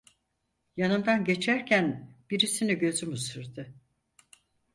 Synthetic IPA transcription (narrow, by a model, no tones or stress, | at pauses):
janɯnd̪anɟe̞t͡ʃʰæɾcʰænb̥iɾisiniɟø̞zymusɯɾd̪ɯ